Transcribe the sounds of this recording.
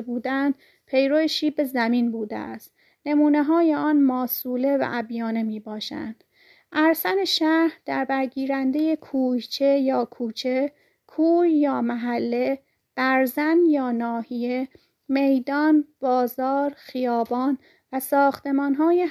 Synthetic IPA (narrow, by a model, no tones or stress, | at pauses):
buːd̪ænd̪ | pʰe̞jɾojeʃiːbe̞zæminbuːd̪ḛæ̰st̪ | ne̞muːneɦɒːjeɒːnmɒːsuːle̞væ̰ʔæbjɒːne̞miːbɒːʃæ̰nd̪̥ | ʔæɾsæne̞ʃæhd̪̥æɾbæɾɟiːɾænd̪ejekʰuːjt͡ʃʰe̞jɒːkʰuːt͡ʃʰe̞ | kʰuːjjɒːmæɦælːe̞ | b̥æɾzænjɒːnɒːhije̞ | me̞jd̪ɒːnb̥ɒːzɒːɾxijɒːbɒːn | væsɒːxt̪ʰe̞mɒːnɦɒːje